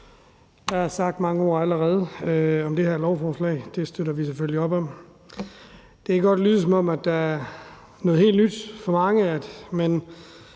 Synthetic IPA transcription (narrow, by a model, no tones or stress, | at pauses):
d̥ɑ̈æɐsɑ̈ɡ̥̚d̥mɑ̈ŋəɒ̰ːæləʁɛːð̞ˠəɒ̽md̥e̝hæɐlɒʊfɒːslɛ̰ːɪd̥e̝sd̥øɾɐʋis̬eføliɒ̽b̥ɒ̽m | d̥eɪɡəɡ̥ɒ̽d̥lyːð̞̩ˠsɒ̽mɒ̽m̰æd̥ɑæɐ | nɔð̩ˠe̝̰ːld̥nyd̥fɒ̽mɑ̈ŋəæd̥men